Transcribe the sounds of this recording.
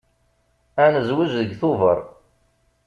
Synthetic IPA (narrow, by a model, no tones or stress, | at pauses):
ænəzwəʒðəɡθʊvəɾˤ